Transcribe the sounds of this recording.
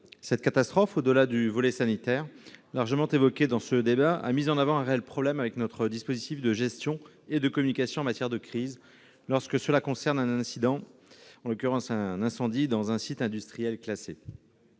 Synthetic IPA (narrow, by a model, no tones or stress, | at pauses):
sɛt̪̚kat̪ast̪χɔfod̪əlad̪yvɔlɛsanit̪ɛːʁlaʁʒəmɑ̃t̪evɔkʲed̪ɑ̃səd̪ebaa̰mizɑ̃navɑ̃ɛ̃ʁeɛlpχɔblɛmavɛknɔt̪χəd̪ispozit̪ifd̪əʒɛst̪jɔ̃ | ed̪əkɔmynikasjɔ̃ɑ̃mat̪jɛʁd̪əkχiz | lɔʁskəsəlakɔ̃sɛʁnɛ̃nɛ̃sid̪ɑ̃ɑ̃lɔkʲyʁɑ̃sɛ̃nɛ̃sɑ̃d̪id̪ɑ̃zɛ̃sit̪ɛ̃d̪yst̪χijɛlklase